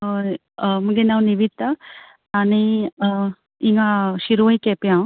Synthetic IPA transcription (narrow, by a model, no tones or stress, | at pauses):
muɡenawniʋit̪ːa | ani | iŋɡaʃiɾuĩkepjã